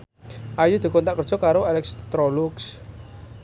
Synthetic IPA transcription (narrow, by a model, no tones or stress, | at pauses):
ʔajud̪̥i̤kɔnt̪aʔkər̥d͡ʒ̥ɔ̤kaɾoalɛkst̪ɾɔluks